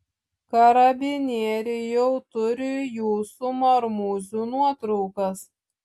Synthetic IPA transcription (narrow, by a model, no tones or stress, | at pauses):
kɐɾɐbʲɪnʲeɛɾʲɪjɛʊt̪ʊɾʲɪjuːsumɐɾmuːzʲuːnuɔt̪ɾɔʊkɐs